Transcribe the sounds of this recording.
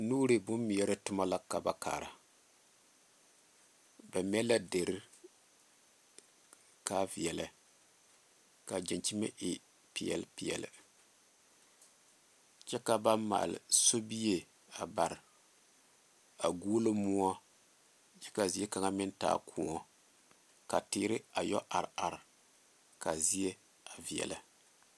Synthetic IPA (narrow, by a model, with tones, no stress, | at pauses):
nuː˦ɾɨ˨bʊ˦mːi˨jɛ˦ɾɨ˦tʊ˦ma˦la˦ka˨ba˨ka̰ː˨ɾa˨ | ba˨m˦ɛ˦la˦de˨ɾɨ˦ | ka˦vi˨jɛ˨la˨ | ka˨d͡ʒɛ˨nt͡ʃi˦ma̰˦ʔɪ˨ | pi˨ɛ̰˨lpi˨jɛ̰˨lɨ̰˨ | t͡ʃɛ˦ka˦ba˦mma̰˨lɪ̰˨so˦bi˦je˦ | a˨ba˨ɾɪ˨ | a˨ɡuː˦lɨ˦mʊ˦ɔ˦ | d͡ʒɛ˦ka˨zi˦e˦ka˨ŋa˦mɪ˦n˦ta̰ː˦kʰu˨ŋɔ˦ | ka˨tɪː˦ɾɪ˦a˨jɔ̰˦ʔa˨ɾa˨ɾ | ka˨zi˦e˦ | a˨vi˨ɛ̰˨la˨